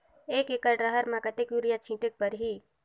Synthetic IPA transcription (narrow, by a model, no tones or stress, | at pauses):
ekekəʈɾəɦəɾmãkət̪ekjuɾijat͡ʃʰĩʈek̚pəɾɦi